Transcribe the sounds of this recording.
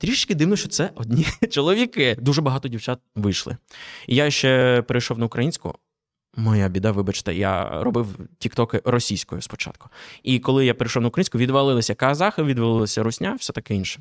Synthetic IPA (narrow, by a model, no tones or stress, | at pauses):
t̪ɾʲiʃɪt͡ʃkɪd̪ɪwnɔʃt͡ʃɔt̪sɛʔɔdʲnʲit͡ʃɔlˠɔʋʲikɪd̪uʒɛbɐɦɑt̪ɔdʲiwt͡ʃat̪̚ʋɪjʃlˠɪ̰ijaʃt͡ʃɛpɛɾɐjʃɔwnɐʊkɾʔɐjinʲsʲkʊ̰ | mɔjabʲid̪aʋɪbɐt͡ʃɪ̥t̪ɐ̰ja̰rɔbɪwtʲikt̪ɔkɪɾɔsʲijsʲkɔjʊspɔ̥t͡ʃɑ̰t̪̚kʊ̥ikɔlˠɪjapeɾɪjʃɔwnʊukɾɐjinʲsʲkʊʋʲid̪ʋɐlˠɪlˠɐsʲɐkɐːzɑxɐʋʲid̪ʋɐlˠɪlˠɐsʲɐɾʊsʲnʲawsʲɛt̪ɐkɪinʃɛ̥